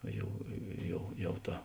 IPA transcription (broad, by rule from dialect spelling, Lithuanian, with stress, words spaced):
ˈjɛʊ ˈjɛʊ ˈjɛʊ ˈtɐ